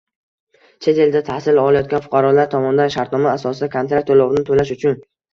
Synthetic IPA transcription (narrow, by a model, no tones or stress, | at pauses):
t͡ʃʰe̞t̪ʰe̞ld̪at̪ʰahsɪlɒlˠajɒt̪̚kʲanfʊ̥qʰɑɾɒlaɾt̪ʰɒmɒnd̪anʃaɾt̪nɒmaːsɒsɪd̪akʰont̪ɾak̚t̪ʰːolɒʁɪnɪt̪ʰolaʃʊt͡ʃʰʊn